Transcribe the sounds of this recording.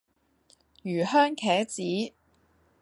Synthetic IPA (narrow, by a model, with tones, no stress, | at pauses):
jyː˨˩hœː˥ŋkʰɛː˨˥t͡siː˨˥